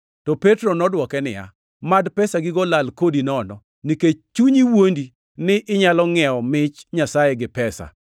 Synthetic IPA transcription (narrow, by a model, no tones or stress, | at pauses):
tɔpɛtɾɔnɔdwɔkɛnɪ̰ja̰ | madpɛsaɡɪɡɔlalkodinɔnɔ | niket͡ʃt͡ʃuɲiwondi | nɪʔɪɲalɔŋɛɔmɪt͡ʃɲasajɛɡɪpɛsa̰